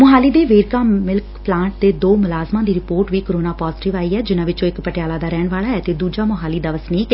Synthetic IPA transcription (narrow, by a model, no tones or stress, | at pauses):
mʊɦaːliːd̪eːʋeːɾkaːmɪlkplãːɳʈ̚d̪eːd̪oːmʊlaːzmãːd̪iːɾɪpoːɾʈʋiːkoɾoːnaːpɔːzʈɪʋaːiːɦɛːd͡ʒɪnãːʋɪt͡ʃõːɪkpəʈɪjaːlaːd̪aːɾɛːɳʋaːɭaːɦɛːt̪eːd̪uːd͡ʒaːmʊɦaːliːd̪aːʋəsniːkː